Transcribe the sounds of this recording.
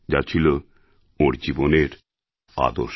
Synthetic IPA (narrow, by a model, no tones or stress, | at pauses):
d͡ʑat͡ɕʰilo | oɾd͡ʑiboneɾ | a̰d̪o̰ʃ